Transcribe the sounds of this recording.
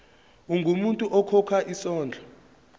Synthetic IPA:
uŋʱumuntʼuʔɔkʰɔkʰaʔisɔːnd͡ɮʱɔ

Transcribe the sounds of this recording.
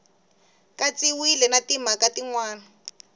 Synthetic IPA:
kat͡siwilɛnatimakatiŋwaːna

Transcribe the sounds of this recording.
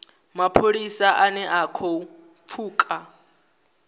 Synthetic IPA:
mapʰolisaʔanɛʔakʰɔ | p̪fʰuːkʼa

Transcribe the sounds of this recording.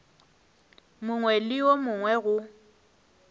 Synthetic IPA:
mʊŋwɛlɪomʊŋwɛɣʊ

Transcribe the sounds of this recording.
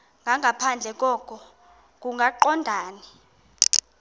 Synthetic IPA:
ŋɡʱaŋʱapʰand͡ɮʱɛk̬ʼɔkʰɔ | k̬ʼuŋɡʱaǃɔndʱaːni

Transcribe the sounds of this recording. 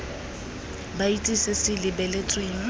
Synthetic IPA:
bait͡sʼisɪsɪlɪbɛlet͡sʼweːŋ̩

